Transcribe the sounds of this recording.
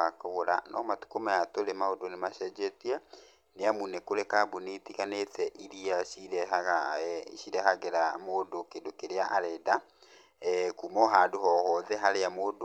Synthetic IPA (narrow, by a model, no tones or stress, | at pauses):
akoɾa̰nɔ̰matu̥komajatoɾemaodonemaʃɛd͡ʒɛtiɛ | neamunekoɾɛkabunetikanetʰɛʔiɾiaʃiɾɛɦaɣaiʃiɾɛɦaɣeɾamodokedokeɾeaʔaɾɛda | kumɔɦadoɦɔːɦɔðɛɦaɾeamod